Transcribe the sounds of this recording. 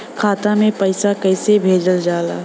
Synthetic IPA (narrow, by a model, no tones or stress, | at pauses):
kʰaːt̪amẽpɐɪsakɐɪsebʱeːd͡ʒəld͡ʒaːla̰ː